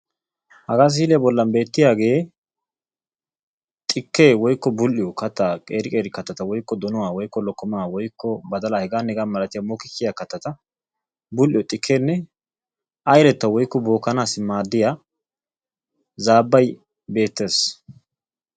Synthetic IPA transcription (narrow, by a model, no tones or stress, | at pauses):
hɐɡaːs̬iːlɛjbɔlːɐnbe̞ːt̪ːɪjaːɡe̞ː | t̪ʼɪkːeːwɔjkːɔbʊlːɪjɔkɐt̪ːakʼeːɾɪkʼeːɾɪkɐt̪ːɐt̪ɐwɔjkːɔd̪ɔnʊwaːwɔjkːɔlɔkːɔmaːwɔjkʰːɔbɐd̪ɐlahɛɡaːnːɛɡanmɐlɐt̪ɪjamoːkːɪkːɪjakɐt̪ːɐt̪ɐ | bʊlːɪjɔt̪ʼɪkʰːeːnːɛ | ʔɐjlɛt̪ːɐwɔjkːɔbo̞ːkːɐnaːsɪmaːd̪ːɪja | zaːbːɐj | be̞ːt̪ːe̞ːs